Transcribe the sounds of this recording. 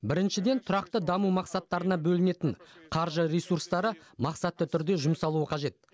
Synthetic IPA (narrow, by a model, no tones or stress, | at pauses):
bɪɾɪnʃɪd̪e̞nt̪ʰʊɾɑqt̪əd̪ɑmumɑqsɑt̪ːɑɾənɑbɵlɪne̞t̪ɪɴqʰɑɾʒəɾesuɾst̪ɑɾəmɑqsɑt̪ːət̪ʰʏɾd̪e̞ʒʊmsɑlˠuəqʰɑʒe̞t̪̚